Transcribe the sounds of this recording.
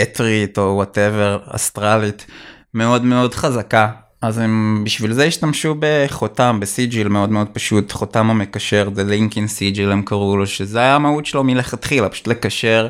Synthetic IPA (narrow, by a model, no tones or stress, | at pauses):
etʁito̞wateveʁa̰stʁalit | meo̞dme̞o̞dχazaka | azembiʃvilzejiʃtamʃube̞χotambesid͡ʒilmeo̞dmeo̞d̚paʃutχotamamekaʃeʁzeliŋkinsid͡ʒilemkaʁuloʃezeajamautʃelo̞mileχatχilapḁʃut̪le̞kaʃe̞ʁ